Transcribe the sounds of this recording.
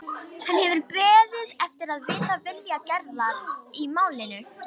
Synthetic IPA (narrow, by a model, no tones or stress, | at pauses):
hanːhɛvɪɾpɛːðɪðɛft̪ɪɾaðvɪːt̪avɪljacɛɾðanimaːwlɪnʏ